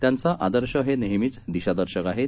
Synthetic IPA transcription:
t̪jant͡saʔad̪əɾɕəɦeneɦmit͡sd̪iɕad̪əɾɕəkaɦe

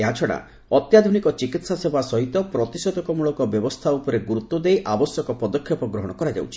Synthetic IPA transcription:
eɦat͡ʃʰɔɽa̰ | ɔt̪jad̪ʱunikɔt͡ʃikit̪sasebʱasɔɦit̪ɔpɾɔt̪isɔd̪ɔkɔmuɭɔkɔbjɔbɔst̪ʰaupɔɾeɡuɾut̪ːɔd̪ejʔabɔsjɔkɔpɔd̪ɔkʰːjɔpɔɡɾɔɦɔɽ̃ɔkɔɾad͡ʒa̰wt͡ʃʰi̥

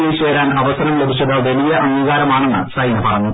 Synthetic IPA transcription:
liːɕʋeːɾaːnɐʋɐsɐnɐmlebʱit͡ɕːɐðɐʋeɭijɐʔɐnɡʱiɣaːɾɐmaːɳenːɨ̰sɐjnɐpɐrɐnːu

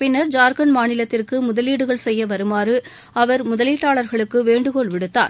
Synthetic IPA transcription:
pɪnːɐɾd͡ʒaːɾɣɐnmaːnɪlɐt̪ːɪrkɯmʊðɐliːɽɯɣɐɭsɛjːɐʋɐɾɯmaːɾɯ | ɐʋɐɾmʊðɐliːʈːaːɭɐɾɣɐɭɯkːɯʋeːɳɖɯkɔɭʋɪɽɯt̪ːa̰ːɾ

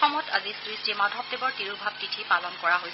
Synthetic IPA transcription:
ɔmɔtʰa̰zisɹistimadʱɔp̚tebɔɹtiɹubʱab̚kitʰipalɔnkɔɹaɦojs

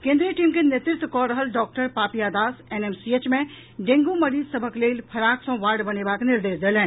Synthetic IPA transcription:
kẽːnd̪ɾiʈiːmkenet̪ɪt̪ʰkɔːɾəɦəlɖɔːk̚ʈəɾpaːpiaːd̪aːseneːmsiet͡ʃmẽ | ɖẽːŋɡũmɐɾiːzsɐbʱəkleːlpʰɐɾaːksõʋaːɾɖbɐnebaːknɪɾd̪eːsd̪eːlɦɛ̃ː

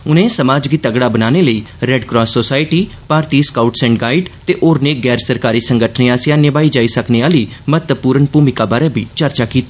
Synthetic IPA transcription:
ʊnẽːsəmaːd͡ʒɡit̪əɡɽaːbənaːneːləiːɾɛɖkɾɔːsːoːsaːɪʈiː | paːɾt̪iːskaʊʈsɛ̃ːɳʈɡaːiɖt̪eːʔoːɾneːɡɛːɾsəɾkaːɾiːsəŋɡəʈʰneːãːsjãːnɪʋaːiːd͡ʒaːiːsəkneːaːliːmət̪əpuːɾənpuːmɪkaːbaːɾeːbiːt͡ʃəɾt͡ʃaːkiːt̪aː

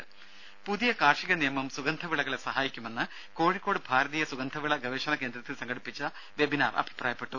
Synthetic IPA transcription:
puðijɐkaːrʂiɣɐnijɐmɐmsuɡɐnd̪ʱɐʋiɭɐɣɐɭesɐɦaːjikʲːume̞nːɨ | ko̞ːɻikʲːo̞ːɽɨbʱaːɾɐðiːjɐsuɡɐnd̪ʱɐʋiɭɐɡʱɐʋeːʂɐnɐke̞ːnd̪ɾɐt̪ːilsɐŋɡɐɽipːit͡ɕːɐ | ʋe̞binaːrʔɐ̰bʱi̥pra̰ːjɐpːe̞ʈːu

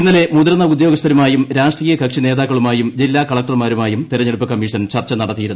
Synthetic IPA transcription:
inːɐle̞mud̪ɾɐnːɐud̪joɡɐst̪ʰɐɾumaːjumɾaːʂʈriːjɐkɐkʂine̞ːðaːkːɐɭumaːjumd͡ʑilːaːkɐɭɐk̚ʈɐrmaːɾumaːjumt̪iɾɐɲːeɽupːɨkɐmːiːʂɐnt͡ɕɐrt͡ɕːɐnɐɽɐt̪ːijiɾunː

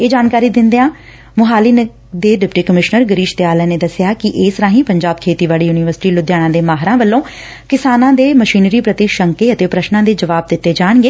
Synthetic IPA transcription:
eːd͡ʒaːnkaːɾiːd̪ɪnd̪eːãː | mʊɦaːliːn | d̪eːɖɪpʈiːkəmɪʃnəɾɡəɾiːʃt̪eaːlɛːneːd̪əsɪjaːkɪʔeːsɾãːɦĩːpəɲd͡ʒaːbkʰeːt̪iːʋaːliːjuːnɪːʋəɾsɪ̥ʈiːlʊd̪jaːɽ̃ãːd̪eːmaːɦɾãːʋəlːõː | kɪsaːnãːd̪eːməʃiːnɾiːpɾət̪iʃəŋkeːət̪eːpɾəʃnãːd̪eːd͡ʒəʋaːb̚d̪ɪt̪ːeːd͡ʒaːɳɡeː

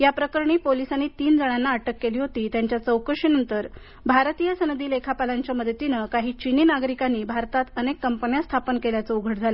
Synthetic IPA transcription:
japɾəkəɾɳ̃iːpolisanːiːt̪iːnd͡zəɽ̃anːaəʈəkːeliːɦot̪iːt̪jaɲt͡ɕjat͡səwkəɾʂiːnənt̪əɾ | bʱaɾt̪ijəsənd̪ʱiːlekʰapalaɲt͡ɕjaməd̪ʱət̪inəkaɦiːt͡ɕiniːnaɡɾikanːiːbʱaɾt̪at̪ənekːəmpənjast̪ʰapənkeljat͡səuɡʱəʈd͡zʱalə

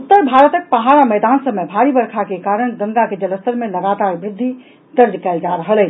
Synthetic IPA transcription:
ut̪ːəɾbʱaɾət̪ək̚pəɦaɾamɛd̪ansəmebʱaɾibəɾkʰakekaɾəɽ̃ɡə̃ŋɡaked͡ʒələst̪əɾmeləɡat̪aɾbɾɪd̪ʱːi | d̪̥əɾd̪kald͡ʒaɾəɦəlɛ

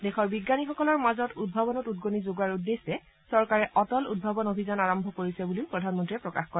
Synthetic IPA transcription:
dexɔɹbiɡːanixɔkɔlɔɹmazɔtud̚bʱabɔnɔtud̚ɡonizoɡaɹudːesːɛ | sɔɹkaɹɛʔɔtɔlud̚bʱabɔnobʱizanaɹɔmbʱɔkoɹisɛbuliʊpɹɔdʱanmɔntɹiɛpɹɔkaxkɔɹɛ

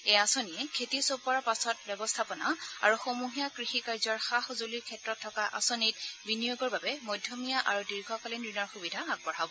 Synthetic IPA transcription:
ejasoniɛkʰetisopɔapasɔt̚bɔbɔstʰapɔnaa̰ɹuxomuɦijakɹixikaɹzɔɹxaxozoliɹkʰɛtɹɔtʰːɔkaʔa̰sonit̚binijoɡɔɹbabɛmɔjdʱjomijaʔa̰ɹudiɹɡʱɔkalinɹinɔɹxubidʱaaɡ̚bɔɹabɔ

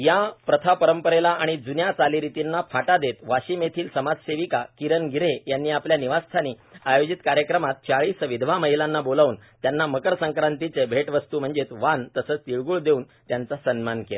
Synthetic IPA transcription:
japɾət̪ʰapəɾəmpəɾelaʔaɽ̃id͡zunjat͡saliɾit̪inːafaʈad̪et̪ʋaɕiːmet̪ʰiːlsəmad͡zseʋikakiɾənɡʱiɾejanːiːapljaniʋast̪ʰaniː | ajod͡ʑit̪kaɾjəkɾəmat̪̚t͡ɕaɭiːsʋid̪ʱʋ̤aməɦilanːabolaʋuːnt̪janːaməkəɾsəŋkɾant̪it͡sebʱeʈʋəst̪uːm̤əɳd͡zet̪ʋant̪əsəːt͡st̪iɭɡuɭd̪euːn | t̪jant͡sasənmankela̰

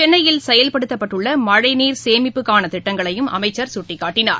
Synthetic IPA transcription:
t͡ʃɛnːɐjɪlsɛjɐlpɐɽɯt̪ːɐpːɐʈːɯɭːɐmɐɻɐɪniːɾseːmɪpːɯkːaːnɐt̪ɪʈːɐŋɡɐɭɐjɯmɐ̰mɐɪt͡ʃːɐɾsʊʈːɪkːaːʈːɪna̰ːɾ

